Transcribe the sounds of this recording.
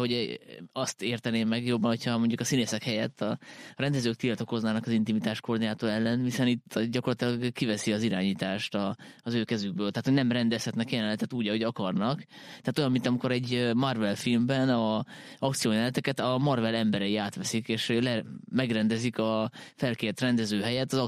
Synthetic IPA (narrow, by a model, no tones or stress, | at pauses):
ɦoɒst̪eːrt̪ɛneːmːɛɡjo̞bːɒnhocʰhɒmo̞ɲɟukɒsineːsɛkhɛjɛt̪ʰːɒɾɛnd̪ɛzøːk̚t̪ilt̪o̞ko̞znaːnɒkɒzint̪imit̪aːʃkord̪ijaːt̪oːlɛlːɛnhisɛnit̪ːɟɒko̞rlɒt̪ilɒɡkːivɛsiɒziɾaːɲiːt̪aːʃt̪ɒːzøːkɛzyɡ̚bøːlt̪aɦːt̪hoɟnɛmrɛnd̪ɛshɛt̪nɛkjɛlɛnlɛt̪ɛt̪uːɟɒɦo̞ɟɒkɒrnɒkt̪ɛːt̪o̞jɒmːint̪ɒmiko̞ɾɛɟømɒrvɛlfilmbɛnɒɒkt̪sijoːɲɛlɛt̪ɛkɛt̪ɒmɒrvɛlɛmbɛɾɛjiaːt̪ʋɛsikeːʃlɛmɛɡrɛnd̪ɛzikɒfɛlkeːrt̪rɛnd̪ɛzøːɦɛjɛt̪ːɒzɒ